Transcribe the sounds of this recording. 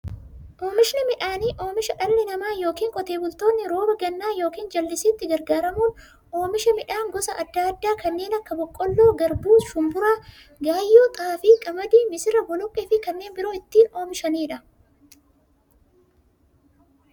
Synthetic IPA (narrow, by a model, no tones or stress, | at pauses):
ʔo̞ːmɪʃnɪmɪᶑaːniːʔo̞ːmɪʃɐᶑɐlːɛnɐmaːjo̞ːkiːŋkʼɔt̪e̞ːbʊlt̪o̞ːnːɪɾo̞ːbɐɡɐnːaːjo̞ːkiːnd͡ʒɐlːɪsɪːt̪ːɪɡɐɾɡaːɾɐmuːn | ʔo̞ːmɪʃɐmɪᶑaːŋɡɔsɐʔɐd̪ːaɐd̪ːaːkɐnːe̞ːnɐkːɐbɔkʼːɔlːo̞ːɡɐɾbuːʃʊmbʊɾaː | ɡaːjːoːt̪ʼɐfɪkʼɐmɐd̪iːmɪsɪɾɐbɔlʊkʼːɪːfɪkɐnːe̞ːnbɪɾoːɪt̪ːiːno̞ːmɪʃɐniːᶑɐ